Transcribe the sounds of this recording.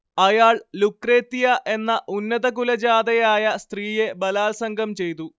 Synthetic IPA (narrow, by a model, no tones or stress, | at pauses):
ɐjaːɭlukre̞ːt̪ːijɐʔe̞nːɐʔunːɐðɐkulɐd͡ʑaːd̪ɐjaːjɐst̪riːje̞bɐlaːlsɐŋɡʱɐmt͡ɕe̞jt̪u